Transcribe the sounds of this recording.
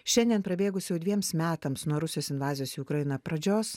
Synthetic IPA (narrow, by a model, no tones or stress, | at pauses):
ʃʲɛnʲd̪ʲiɛnpɾɐbʲeːɡʊsʲjɛʊd̪ʲʋʲiɛmsmʲæːt̪ɐmsnuɔɾʊsʲɪjoːsʲɪnʋɑːzʲɪjoːsːʊkɾɐjɪnɐpɾɐd͡ʒʲoːs